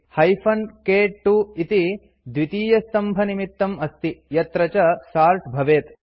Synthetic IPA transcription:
hɐjfʰɐnkeːʈːuit̪i | d̪ʋit̪iːjɐst̪ɐmbʱɐnimit̪ːɐmɐst̪ijɐt̪ɾɐt͡ʃɐsaːɾʈbʱɐʋeːt̪

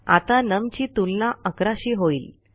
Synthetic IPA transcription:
a̰t̪anəmt͡ɕiːt̪ulnaʔəkɾaɕiːɦoiːl

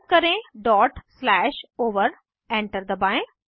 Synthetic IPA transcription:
kɐɾẽɖɔːʈslɛːʃoːʋəɾ | ẽɳʈəɾd̪əbãː

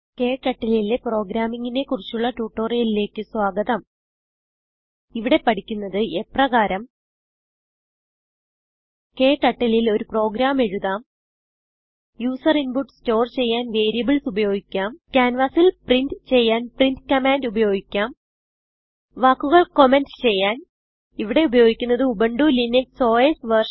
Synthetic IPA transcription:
ke̞ːʈːɐʈːɐlilepro̞ːɡɾaːmiŋːine̞kurit͡ɕːuɭːɐʈuːʈːo̞ːrijɐlile̞ːkːɨswaːɡɐðɐm | iʋiɽe̞pɐɽikʲːunːɐðɨʔe̞prɐɣaːɾɐm | ke̞ːʈːɐʈːɐlilo̞ɾupro̞ːɡɾaːme̞ɻuðaːm | juːsɐrinbuʈsto̞ːrt͡ɕe̞jːaːnʋe̞ːɾijɐbɨɭsubɐjo̞ːɡikʲːaːmkʲaːnʋaːsilprindɨt͡ɕe̞jːaːnprintkɐmaːndubɐjo̞ːɡikʲːaːm | ʋaːkːuɣɐɭkomendst͡ɕe̞jːaːn | iʋiɽe̞ubɐjo̞ːɡikʲːunːɐðɨubɐɳɖulinekso̞ːesʋɐrʂ

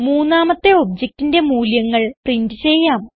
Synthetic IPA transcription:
muːnːaːmɐt̪ːe̞o̞bd͡ʑek̚tinde̞muːljɐŋːɐɭprindɨt͡ɕe̞jːaːm

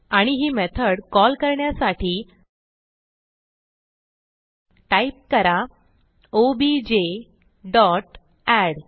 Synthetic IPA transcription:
aɽ̃iɦiːmɛt̪ʰəɽkɔlkəɾɳjasaʈʰiː | ʈaip̚kəɾa | obid͡ʑe | ɖɔʈ | ɛɽ

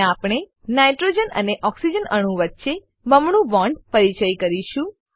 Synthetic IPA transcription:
apɽ̃e | najʈɾod͡ʒənə̰neʔɔksid͡ʒənəɽ̃ũʋətːʃe | məmɳũbɔ̃ɳɖpəɾit͡ʃəjkəɾiʃũ

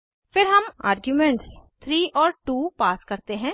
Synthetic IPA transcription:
fɪɾɦɐma̰ːɾɡjumẽɳʈst̪ʰɾiːʔɔːɾʈuːpaːskɐɾt̪eɦɛ̃ː

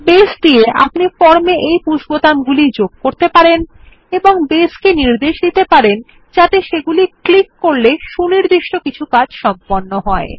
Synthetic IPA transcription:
besd̪ieʔa̰pnifɔɾmeʔejpuʃbot̪anɡulid͡ʑoɡ̚koɾt̪epaɾen | eboŋbeskeniɾd̪eʃd̪it̪epaɾen | d͡ʑat̪eʃeɡuliklikːoɾleʃuniɾd̪iʃʈokit͡ɕʰukad͡ʑʃɔmponːoɦɔe

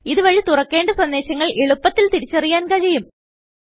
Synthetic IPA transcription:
iðɨʋɐɻit̪urɐkːe̞ːɳɖɐsɐnd̪e̞ːɕɐŋːɐɭeɭupːɐt̪ːilt̪iɾit͡ɕːɐrijaːnkɐɻɐjum

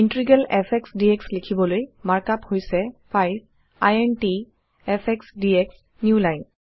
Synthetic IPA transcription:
intɹiɡɛlɛpʰɛksdiekslekʰibɔlojmaɹkaphojsɛpʰajs | ajɛnti | ɛpʰɛksdieks | njulajn

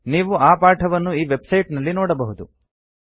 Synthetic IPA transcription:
niːʋuʔaːpaːʈʰɐʋɐnːuiːʋe̞bsɐjʈnɐlːinoːɽɐbɐɦud̪u

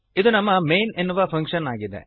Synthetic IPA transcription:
id̪unɐmːɐmejnenːuʋɐpʰɐŋkʂɐnaːɡid̪ḛ

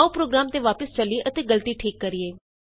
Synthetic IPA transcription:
ũpɾoːɡɾaːmt̪eːʋaːpəst͡ʃəliːʔət̪eːɡəlt̪iːʈʰiːkːəɾɪeː

